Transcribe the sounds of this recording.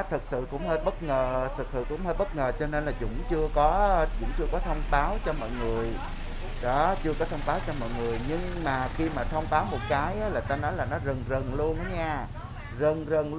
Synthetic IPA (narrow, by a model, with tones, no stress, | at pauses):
t̪ʰɨ˨˩k̚sɨ̰˧˨kʊ̰˧˥ŋ͡mhəː˧t̚ɓə˦˥t̚ŋəː˨˩t̪ʰɨ˨˩k̚sɨ̰˧˨kʊ̰˧˥ŋ͡mhəː˧t̚ɓə˦˥t̚ŋəː˨˩t͡ɕɔ˧ne˧nlaː˨˩zʊ̰˧˥ŋ͡mt͡ɕɨ˧əkɔ˨˦zʊ̰˧˥wŋ͡mt͡ɕɨ˧əkɔ˨˦t̪ʰə˧wŋ͡mɓaː˨˦wt͡ɕɔ˧mɔ̰˧˨jŋɨ˨˩əj | ɗɔ˨˦t͡ɕɨ˧əkɔ˨˦t̪ʰə˧wŋ͡mɓaː˨˦wt͡ɕɔ˧mɔ̰ː˧˨jŋɨ˨˩əjɲɨ˧ŋmaː˨˩xi˧maː˨˩t̪ʰə˧wŋ͡mɓaː˨˦wmo˨˩t̚kaː˨˦jʔaː˨˦laː˨˩t̪aː˧nɔ˨˦jlaː˨˩nɔ˨˦zə˨˩ŋzə˨˩ŋlu˧ənʔa˨˦ɲaː˧ | zə˨˩ŋzə˨˩ŋ